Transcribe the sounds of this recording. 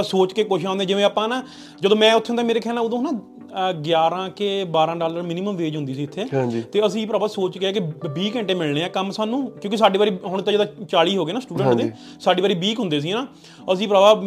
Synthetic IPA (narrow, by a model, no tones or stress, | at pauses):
soːt͡ʃkeːkoːʃãːnd̪ẽːd͡ʒɪʋẽːaːpãːnaː | d͡ʒəd̪õːmɛ̃ːʊt̪ʰːõnd̪aːmeːɾeːkʰɛːlãʊd̪õːnãː | ɡjaːɾãːkeːbaːɾãːɖaːləɾmɪnɪməmʋeːd͡ʒɦʊnd̪iːsiːʊt̪ʰːeːɦãd͡ʒt̪eːəsĩːpɾaːbaːsoːt͡ʃɡeaːkɪbiːkɛ̃ɳʈeːmɪlɳeːãːkəmsaːnũːkjõːkisaːɖiːbaːɾiːɦʊɳt̪ãːd͡ʒed̪ãːt͡ʃaːliːɦoːɡeːnaːsʈuːɖə̃ɳeː | saːɖiːbaːɾiːbiːkɦʊ̃nd̪eːs̬iːnaː | əs̬ĩːpɾaːbaː